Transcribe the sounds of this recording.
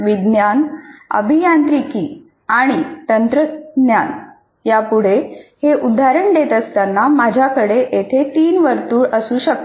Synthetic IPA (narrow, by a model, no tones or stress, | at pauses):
ʋid̪njanə̰bʱijant̪ɾiki | aɽ̃it̪ənt̪ɾənjan | japuɽ̤eheʔud̪ʱaɾəɳd̪et̪əst̪anːamad͡ʑʱjakəɽeʔet̪ʰet̪iːnʋəɾt̪uːɭəsuːɕək̚t̪